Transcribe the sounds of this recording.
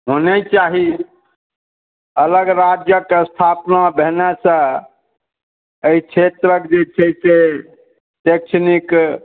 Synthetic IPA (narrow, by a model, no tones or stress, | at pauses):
ɦonet͡ʃaɦi | ələɡɾad͡ʒjəkeəst̪ʰapnabeɦnasə̃ | əit͡ʃʰet̪ɾəkd͡ʒet͡ʃʰɛse | tek̚t͡ʃʰnik